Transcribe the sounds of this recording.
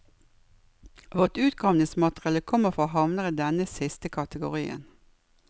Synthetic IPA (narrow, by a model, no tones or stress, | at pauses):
ʋɔʁt̪ʉːt̪ɡɑʋnɪsmɑt̪əʁɑləkʰɔməfʁoːhɑʋnəʁəd̪ɛnəsɪst̪əkʰɑt̪əɡʊʁiːə̰n